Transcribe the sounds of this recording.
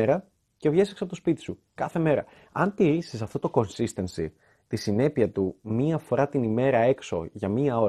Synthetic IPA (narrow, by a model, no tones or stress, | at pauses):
eɾɐ | ce̞vʝeseksɐpot̪ospit̪i̥sukɐθe̞me̞ɾɐ̰ | ɐnt̪iɾisis̬ɐft̪o̞t̪o̞ko̞nsist̪ensi | t̪isine̞piɐt̪umiɐfo̞ɾɐt̪inime̞ɾɐe̞kso̞̰ʝɐmiɐo̞ɾ